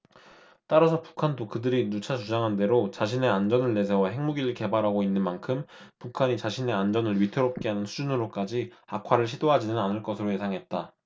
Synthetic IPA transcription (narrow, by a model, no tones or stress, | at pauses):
t͈aɾasʰʌpu̥kʰandokɯdɯɾinut͡ɕʰat͡ɕud͡ʑaŋɦande̞ɾot͡ɕaɕʰine̞and͡ʑʌnɯɭːe̞sʰe̞waɦe̞ŋmuɡiɾɯɭke̞baɾɦaɡoinːɯnmankʰɯm | pukʰaɲit͡ɕaɕʰine̞and͡ʑʌnɯɭɥitʰɯɾop̚k͈e̞ɦanɯnsʰud͡ʑunɯɾok͈ad͡ʑiakʰwaɾɯɭɕʰidoɦad͡ʑinɯnanɯɭk͈ʌsʰɯɾoje̞sʰaŋɦe̞t̚t͈a